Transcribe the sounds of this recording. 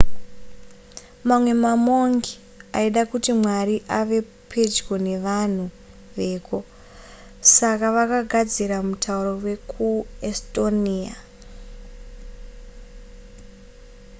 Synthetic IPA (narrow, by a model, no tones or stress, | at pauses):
mamwe̞mamo̞ŋɡi | aiɗakutimwariʔaʋe̞ | pʰe̞d͡ʒɡone̞ʋan̤u | ʋe̞ːko̞ | sakaʋakaɡʱad͡ziɾamutʰauro̞we̞kʰuesto̞nia